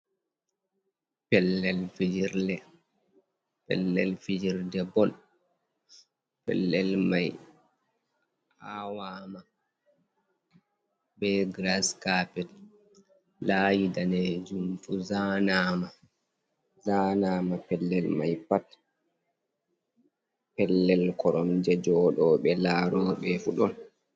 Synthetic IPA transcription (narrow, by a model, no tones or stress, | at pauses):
pɛlːɛlfid͡ʒiɾdɛ | pɛ̰lːɛlfid͡ʒiɾdɛbɔl | pɛ̰lːɛlmaj | awaːma | bɛɡɾaskapɛt | lajidanɛd͡ʒumfuzaːnaːma | zaːnaːmapɛlːɛlmajpat | pɛlːɛlkɔɾɔmd͡ʒɛd͡ʒɔɗɔːɓɛlaːɾɔːɓɛfuɗɔn